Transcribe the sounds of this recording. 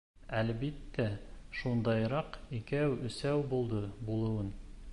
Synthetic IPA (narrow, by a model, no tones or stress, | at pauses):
ælbit̪ːæʃund̪ɑjɾɑqikæwɵ̆sæwbulˠd̪ɤbulˠɤ̆wɤn